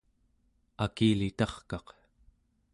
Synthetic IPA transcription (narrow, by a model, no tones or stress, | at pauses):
akiːlit̪ɑχkɑq